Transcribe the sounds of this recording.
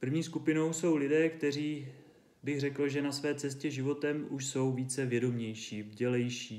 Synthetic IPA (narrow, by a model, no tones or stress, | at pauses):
pr̩vɲiːskupɪno̞wso̞wlɪdɛːkt̪ɛr̝iː | bɪɣrɛkl̩ʒɛnasvɛːt͡sɛscɛʒɪvo̞t̪ɛmʔuʃso̞wviːt͡sɛvjɛdo̞mɲɛjʃiːvɟɛlɛjʃiː